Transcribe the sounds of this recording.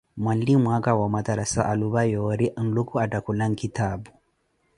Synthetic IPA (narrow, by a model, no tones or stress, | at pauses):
mwandimwakawamad̪aɾasaʔaluβajɔɾiʔn̩lukuatakulaŋ̩kitʰaːbu